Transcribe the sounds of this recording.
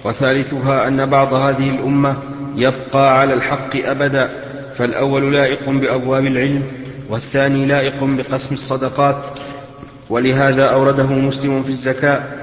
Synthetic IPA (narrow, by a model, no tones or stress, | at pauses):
waθaːlɪθʊɦaːʔanːabɑʕd̪ˤɑhaːðɪhɪlʔʊmːajab̚qɑːʕalaːlħɑqːɨʔabad̪aː | falʔa̰wːallaːʔɪqʊbɪʔabwaːbɪlʕɪlm | waθːaːniːlaːʔɪqʊbɪqɑsmɑsˤːɑd̪ɑqɑːt̪ | walɪɦaːðaːʔawɾˤɑd̪aɦʊmʊslɪmʊfiːazːakaːʔ